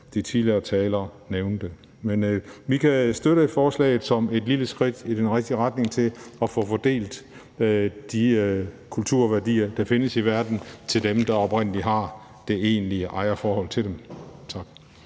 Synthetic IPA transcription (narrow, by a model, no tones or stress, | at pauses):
d̥it͡sʰiðliɐt͡sʰɛːlɐːneʊnd̥ə | menʋikʰæsd̥øɾəfɒːslɛ̰ɪð̩ˠsɒ̽me̝d̥liləsɡ̥ʁid̥id̥enʁeɡ̥̚d̥iʁad̥ne̝ŋt͡sʰe̝lɒ̽fɔfɒd̥e̝̰ːld̥ | d̥ikʰult͡sʰuɐ̰ʋæɐd̥ḭːɐd̥ɑ̈fe̝nəsiʋæɐd̥n̩t͡sʰe̝ld̥emd̥ɑ̈ɒ̽b̥ʁen̰əliɦɑ̈ | d̥e̝e̝ːnliəʔɑ̈ɪɐfɒːhɒ̽l̰t͡sʰed̥emt͡sʰɑ̈ɡ̥